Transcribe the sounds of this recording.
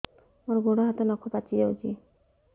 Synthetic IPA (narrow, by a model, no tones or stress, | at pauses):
moɾɡʱoɽɔɦat̪enɔkʰːɔpat͡ʃʰid͡ʒawd͡ʒi